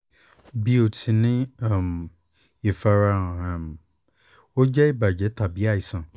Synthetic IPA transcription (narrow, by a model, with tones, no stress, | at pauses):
bi˧˦o˨tʰĩ˧nĩ˦a˦˨m˨ | i˨fa˧ɾã˧˨a˨m˨ | o˦d͡ʒɛ˦i˦˨ba˨d͡ʒɛ˨˦ta˦˨bi˨˦a˦˨i˨sã˨